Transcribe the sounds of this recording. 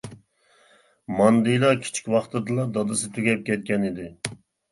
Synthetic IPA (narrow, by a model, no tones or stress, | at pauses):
mɑnd̪ɨjlˠɑkʲʰi̥t͡ʃʰi̥kʲwɑχt̪ʰɨd̪ɨlˠɑd̪ɑd̪ɨsɨt̪ʰøɡʲɛp̚kʲʰɛt̪̚kʲɛnid̪ɪ